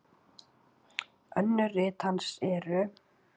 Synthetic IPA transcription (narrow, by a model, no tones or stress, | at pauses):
œnːʏrɪːt̪hansɛɾʏ